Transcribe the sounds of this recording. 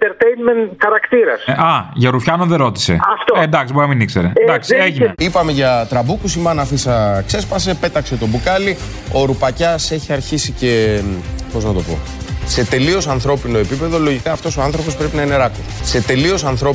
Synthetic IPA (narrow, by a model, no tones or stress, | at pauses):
nt̪eɾt̪ejnmenxɐɾɐkt̪iɾɐsɐʝɐɾufçɐnoðeɾo̞t̪i̥se̞ɐft̪ond̪ɐksiboɐminikse̞ɾed̪ɐksieʝineipɐme̞ʝɐt̪ɾɐbukusimɐnɐfisɐkse̞spɐse̞pe̞t̪ɐkse̞t̪o̞bukɐli | oɾupɐcɐse̞çiɐɾçisice̞ | po̞znɐt̪o̞po̞̰ | se̞t̪e̞lio̞sɐnθɾo̞pino̞epipe̞ðo̞lo̞ʝikɐːft̪o̞so̞ɐnθɾo̞po̞spɾe̞pinɐineɾɐt̪o | se̞t̪e̞lio̞sɐnθɾo̞